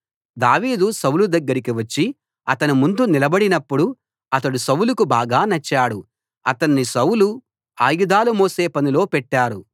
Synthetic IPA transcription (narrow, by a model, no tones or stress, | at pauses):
d̪aːʋiːd̪usɐwulud̪ɐɡːɐɾikiʋɐt͡ʃːi | ɐt̪ɐnumund̪unilɐbɐɽinɐpːuɽu | ɐt̪ɐɽusɐwulukubaːɡaːnɐt͡ʃːaːɽu | ɐ̰t̪ɐɳːisɐwulu | aːjud̪aːlumoːse̞ːpɐnilo̞ːpɛʈːaːɾu